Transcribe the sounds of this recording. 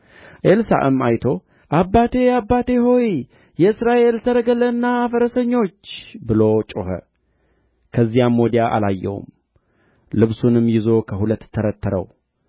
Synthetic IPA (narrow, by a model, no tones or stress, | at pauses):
ʔelsa̰ʔɨmajt̪ʰo̞ | ʔabːat̪ʰe̞abːat̪ʰe̞ɦo̞j | jɛɨsɾaʔe̞lsəɾəɡələnːaafəɾəsəɲːo̞t͡ʃːbɨlo̞t͡ʃʼo̰hə̰ | kʰəzːijamːo̞d̪ijaʔa̰lajːɛ̰wṵm | lɨβsunɨmːjɪzo̞kʰəhulət̪ːʰəɾət̪ːəɾə̰w